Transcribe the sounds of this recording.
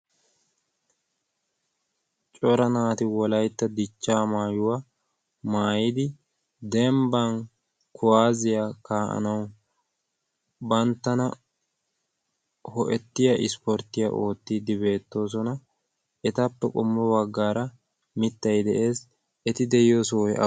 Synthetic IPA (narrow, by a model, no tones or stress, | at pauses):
t͡ʃʼɔɾɐnaːt̪ɪwɔlɐjt̪ːɐd̪ɪt͡ʃːaːmaːjʊwa | maːjɪd̪ɪ | d̪ɛmbɐn | kʊwaːzɪjakaːʔɐ̰nɐw | bɐnt̪ːɐnɐ | hɔʔɛt̪ːɪjɐʔɪspɔɾt̪ːɪjɐ̰ʔo̞ːt̪ːiːd̪ɪbe̞ːt̪ːo̞ːs̬ɔnɐ | ɛt̪ɐpːɛkʼʊmːɔwɐɡːaːɾɐ | mɪt̪ːɐjd̪ɛʔe̞ːs | ɛt̪ɪd̪ɛjɪjɔsɔwɔɐ̰